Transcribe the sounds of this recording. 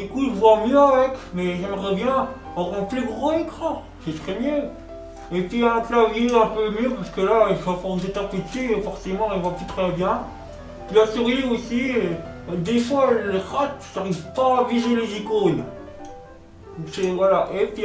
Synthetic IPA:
d̪ykuilvwamjøavɛkmɛʒɛmʁɛbjɛ̃ | ɔ̃ʁɑ̃pliɡʁoekχɑ̃ | set̪χɛmjø | epɥiãt̪laviɛ̃pømjøpasə̥kəlailsafɔʁnd̪et̪apit̪iefɔʁsemɑ̃ilvwapyt̪χɛbjɛ̃ | ilasyʁjiosi | d̪efwaləʁat̪saʁivpaviʒelezikon | d̪ɔ̃ksɛvwalaʔepɥi

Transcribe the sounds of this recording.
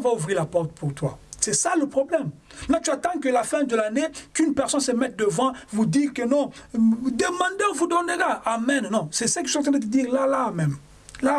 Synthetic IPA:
ɔ̃vauvʁiʁlapɔʁt̪pʰuʁt̪wa̰sɛsaləpχɔblɛmnɔ̃t̪yat̪ɑ̃kəlafɛ̃d̪əlanekynpɛʁsɔ̃nsəmɛt̪̚d̪əvɑ̃vud̪iʁkənɔ̃d̪əmɑ̃d̪eɔ̃vud̪ɔnəʁaamɛ̃nnɔ̃sɛsəkət̪ɑ̃t̪ʁɛ̃d̪ət̪əd̪iːʁlalamɛm | la

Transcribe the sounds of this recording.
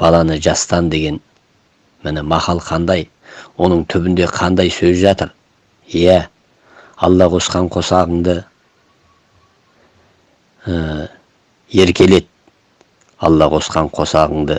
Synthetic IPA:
b̥ɑlˠɑnəʒɑst̪ɑnd̪e̞ɡʲe̞n | mɪnɪmɑχɑlˠqʰɑnd̪ɑj | wo̞nəɴt̪ʰʏbɪnd̪e̞qʰɑnd̪ɑjsɵzʒɑt̪əɾ | jæ | ɑ̰lˠːɑqʰo̞sqɑɴqʰo̞sɑʁəɴd̪ə | ə | e̞ɾkʲʰe̞le̞t̪̚ | ɑ̰lˠːɑqʰo̞sqɑɴqʰo̞sɑʁəɴd̪ə

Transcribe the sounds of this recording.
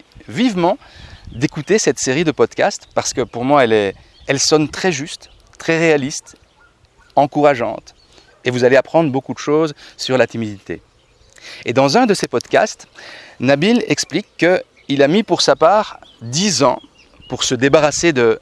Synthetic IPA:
vivmɑ̃d̪ekut̪esɛt̪seʁid̪əpɔd̪kʲast̪paʁsə̥kəpuʁmwaɛlɛ | ɛlsɔnt̪χɛʒyst̪ː | χɛʁealist̪ | ɑ̃kuʁaʒɑ̰̃t̪ | evuzaleapχɑ̃d̪ʁbokud̪əʃoːzsyʁlat̪imid̪it̪ḛ | ed̪ɑ̃zɛ̃d̪əsepɔd̪kʲa̰st̪nabilɛ̰ksplikːə | ilamipuʁsapaːʁd̪izɑ̰̃ | puʁsəd̪ebaʁased̪ə

